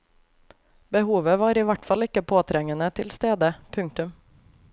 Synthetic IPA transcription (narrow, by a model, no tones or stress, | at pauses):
bəhuːʋəʋɑːɾiːʋæʈfɑlɪkəpʰoːt̪ʰɾɛŋənət̪ʰɪlst̪eːd̪əpʰʉŋk̚t̪ʉm